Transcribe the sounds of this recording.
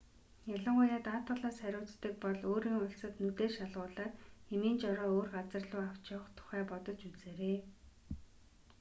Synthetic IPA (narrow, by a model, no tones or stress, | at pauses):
jaɮə̆ɴɢʊjaːt̪aːt̪ʊɮaːsχæɾʲʊːt͡st̪ːə̆k̚pɔɮoːɾiːŋʊɬsə̆t̪nut̪eːrʃaɮʁʊːɮaːtxemiːnt͡ɕɔɾɔːoːrɢat͡sə̆rɮʊːaw̥t͡ɕʊːχt̪ʰʊ̥χæːpɔt̪ɞ̆t͡ɕut͡seːɾeː